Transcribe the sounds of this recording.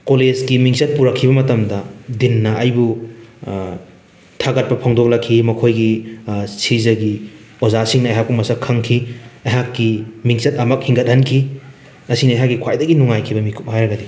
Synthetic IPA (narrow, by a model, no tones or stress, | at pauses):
kolezɡimiŋsɐt̚puɾɐkʰːibɐmɐtɐmdɐdinːɐʔɐjbu | tʰaɡɐt̚pɐpʰoŋdok̚lɐkʰːimɐkʰojɡisizɐɡi | ozasiŋnɐɐjɦak̚pumɐsɐkʰɐŋkʰiɐjɦakːimiŋsɐt̚ɐmɐk̚hiŋɡɐt̚hɐnkʰi | ɐsinɐːjɦak̚ɡikʰwajdɐɡinuŋajkʰibɐmikʰup̚ɦajɾɐɡɐdi